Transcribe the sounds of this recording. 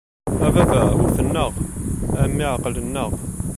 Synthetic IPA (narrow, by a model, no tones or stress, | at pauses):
ævævæwəɾθənːəʁæmːiʕaqːələnːəʁ